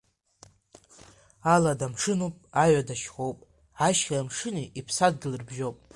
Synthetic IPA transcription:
aladamʂɨnupʼaɥadaʃχowpʼ | aʃχʲaamʂɨniipʰsaddɨlɨrbʒo̞wpʼ

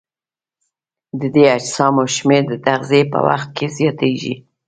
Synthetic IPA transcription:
d̪əd̪ead͡ʒsɑmoʃmeɾd̪ət̪aɣzepə̰wa̰xt̪̚kʰezjɑt̪eʒḭ

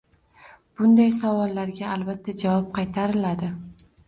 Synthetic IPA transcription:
b̥ʊnd̪ajsavɒlˠːaɾɡʲaːlbat̪ʰːad͡ʒavɒp̚qʰɑjt̪ʰaɾɪlad̪ɪ

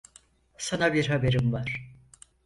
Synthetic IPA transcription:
sanabiɾɦabeɾimvaɾ̥

